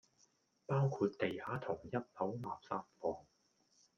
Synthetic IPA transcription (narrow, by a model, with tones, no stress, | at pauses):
paː˥wkʰuː˧t̚t̪e˨jhaː˨˥t̪ʰʊ˨˩ŋjɐ˥t̚hɐ˨˥wmaː˨˩p̚saː˥t̚fɔː˨ŋ